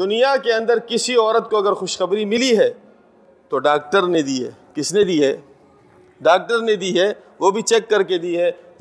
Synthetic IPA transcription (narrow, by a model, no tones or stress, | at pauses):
d̪ʊnijakeɐ̃nd̪əɾkɪsiɔːɾət̪̚koɐɡəɾxʊʃxɐbɾimɪliɦɛː | t̪oɖaːk̚ʈəɾned̪iːɦɛ̰ːkɪsned̪iːɦɛː | ɖaːk̚ʈəɾned̪iːɦɛː | ʋobʱit͡ʃɛːkːɐɾked̪iːɦɛː